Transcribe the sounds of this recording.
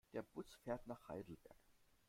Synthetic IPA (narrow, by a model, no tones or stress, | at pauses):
d̥eːɐb̥ʊt͡sfeːɐtnaːχha̰ɪdl̩b̥ɛ̰ɐk